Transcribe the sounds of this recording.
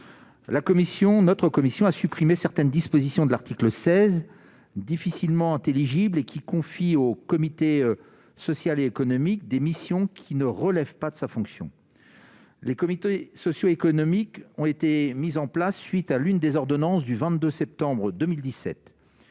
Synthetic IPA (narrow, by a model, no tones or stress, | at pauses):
lakɔmisjɔ̃nɔt̪χəkɔmisjɔ̃asypχimesɛʁt̪ɛnd̪ispozisjɔ̃d̪əlaʁt̪ikləsɛz | d̪ifisilmɑ̃ɛ̃t̪eliʒiblekʲʰikɔ̃fiokɔmit̪e | sɔsjaleːkɔnɔmik̚d̪emisjɔ̃kʲʰinəʁəlɛvpad̪əsafɔ̃ksjɔ̰̃ | lekɔmit̪esɔsjoekɔnɔmikɔ̃et̪emizɑ̃plasːɥit̪alynd̪ezɔʁd̪ɔnɑ̃sd̪yvɛ̃t̪̚d̪øsɛp̚t̪ɑ̃bʁəd̪ømild̪isɛ̰t̪